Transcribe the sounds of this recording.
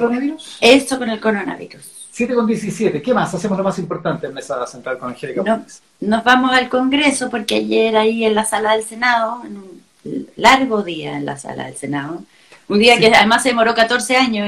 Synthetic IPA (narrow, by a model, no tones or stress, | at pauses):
ɾonaβiɾusest̪oko̞nelko̞ɾona̰βḭɾus | sjet̪ekond̪jesisjet̪ekemasasemoslomasimpoɾt̪ant̪enmesasent̪ɾalkonxelikano | nozβamosalko̞ŋɡɾeso̞poɾkeaʝeɾaienlasalaðelsenaðoenun | laɾɣoðiaenla̰sa̰la̰ðḛlsenaðo | und̪iakeaðemasːeðemo̞ɾokat̪oɾseaɲo